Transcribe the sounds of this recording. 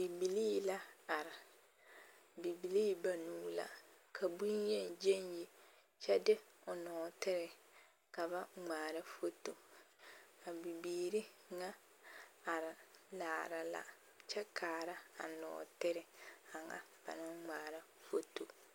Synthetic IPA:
bi˨bi˨li˦la˦a˨ɾɪ˨ | bi˨bi˨li˦ba˨nũː˨˦la̰˨kʰa˨bu˦ɲɛ˦˨n˨d͡ʒe˦nji˦ | t͡ʃʰɛ˦dɪ˦ʊ˨nɔː˨tɪ˦ɾɪ˨ | ka˨ba˦ŋ͡maː˨ɾa˦fo˦to˨ | a˨bi˨biː˨ɾi˦ | ŋã˦ | a˨ɾɪ˨laː˨ɾa˨la̰˦ | t͡ʃʰɛ˦kʰaː˨ɾa˦a̰˨nɔ̰ː˨tɪ˦ɾɪ˨a˨ŋa̰˦˨b̥a̰˨nã˦ŋ͡maː˨ɾa˦ | fo˦to˨

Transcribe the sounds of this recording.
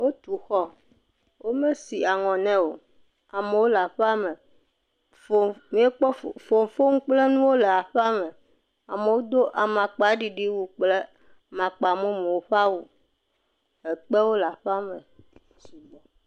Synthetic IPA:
wo˦t̪u˨xɔ˦ | wo˦mẽ˦si˨a˨ŋɔ̃˨nɛ̃˦wo˨ | a˨me˨wo˦la˨ɸa˦mɛ˨ | fo˨mĩ˨˦e˦k͡pɔ˦ffo˨ŋ˨fo˦ŋ̩˦k͡ple˦nũ˦wo˦lɛ˨a˨ɸa˦mɛ̃˨ | a˨me˨wo˦d̪o˦ʔa˨mã˨k͡pɖi˨ɖi˦wu˨k͡ple˦ | mã˨k͡pa˨mo˦me˨wo˦ɸa˦wu˨ | ɛ˨k͡pɛ˦wo˦la˨ɸa˦mɛ˨ | t͡ɕi˨bɔ˨

